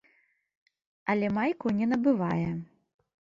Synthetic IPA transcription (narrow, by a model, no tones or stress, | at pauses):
ɐlʲɛmajkunʲɛnɐbɨvajɛ